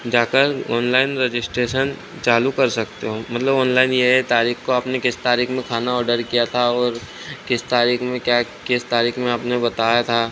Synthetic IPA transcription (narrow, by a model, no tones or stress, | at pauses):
d͡ʒaːkəɾɔːnlaːɪnɾed͡ʒɪsʈɾeːʃən | t͡ʃaːlukɐɾsɐkt̪eɦoːmɐt̪ləbɔːnlaːɪnjeɦɛt̪aːɾiːxkoaːpnekɪst̪aːɾiːkʰmẽkʰaːnaɔːɾɖəɾkijat̪ʰaɔːɾ | kɪst̪aːɾiːkʰmẽkjaːkɪst̪aːɾiːkʰmẽaːpnẽbɐt̪aːjat̪ʰaː